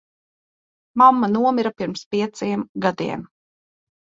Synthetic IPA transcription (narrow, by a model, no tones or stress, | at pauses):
mamːanuɔmiɾapiɾmspʲiɛt̪siɛmɡad̪ḭɛm